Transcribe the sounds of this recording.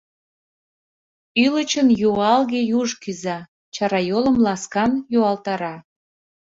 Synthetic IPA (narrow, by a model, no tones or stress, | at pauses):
ylət͡ɕənjuɑlɣejuʒkyzɑ | t͡ɕɑɾɑjoləmlɑskɑnjuɑlt̪ɑɾɑ